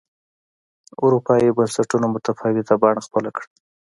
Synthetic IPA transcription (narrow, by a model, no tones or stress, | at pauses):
ʊɾupɑjibansaʈunamʊt̪afɑwɪt̪abɑɳ̃axpəlakɽ